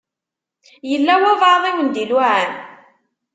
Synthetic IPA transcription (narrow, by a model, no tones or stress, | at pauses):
jəlːæwævɑðˤiwənd̪ilwaʕæn